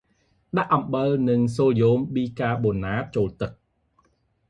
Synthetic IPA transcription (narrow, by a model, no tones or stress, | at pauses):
ɗaʔːɑmɓəlnɨŋsoːljoːmɓiːkaːɓonaːt̚t͡ɕoːlt̪ɨk̚